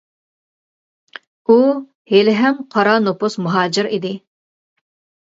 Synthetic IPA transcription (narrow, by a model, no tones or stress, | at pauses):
u | helɪɦɛmqʰɑɾɑnopʊsmuɦɑːd͡ʒɪɾid̪ɪ